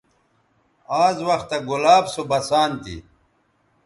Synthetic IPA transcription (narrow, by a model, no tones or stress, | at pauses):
aːzwɐxt̪ːɐɡulaːbsobɐsaːnt̪ḭ